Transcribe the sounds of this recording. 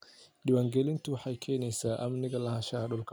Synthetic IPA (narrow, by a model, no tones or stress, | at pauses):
ɗɪwaːŋɡɛlɪnt̪uħajkʰɛːnɛsaːʔɐmnɪɣɐlɐhaʃahaɗɔlkʰa